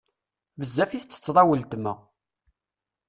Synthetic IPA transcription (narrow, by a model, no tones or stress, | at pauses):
vəzːæfiθət͡sːə̥t͡sːðˤɑwəlt̪mæ